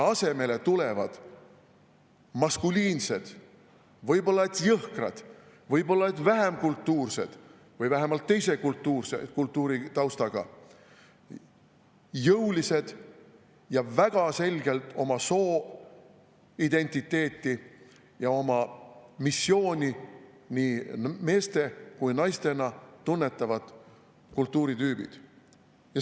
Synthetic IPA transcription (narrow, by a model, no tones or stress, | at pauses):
ɑse̞me̞le̞t̪ule̞vɑd̪̥ | mɑskulʲiːnse̞d̪̥ | vɤjbo̞lːɑet̪jɤhkrɑ̰d̪̥ | vɤjbo̞lːɑet̪ːvæɦemkult̪ːuːrse̞̰d̪̥ | vɤjvæɦemɑlt̪ːe̞jse̞kult̪ːuːrsḛkult̪ːˑuːɾit̪ɑwst̪ɑɡ̥ɑ̰ | jɤuwlise̞d̪̥ | jɑvæɡ̥ɑse̞lʲɡ̥e̞lt̪ˑo̞mɑso̞ː | id̪̥e̞nʲt̪ʲit̪ːe̞ːt̪ːˑi | jɑo̞mɑmisːjo̞ːnʲi | niːme̞ːst̪e̞kujnɑjst̪e̞nɑt̪ːunːe̞t̪ːˑɑvɑd̪̥ | kult̪ːuːɾit̪yːb̥ḭd̪̥ | jɑ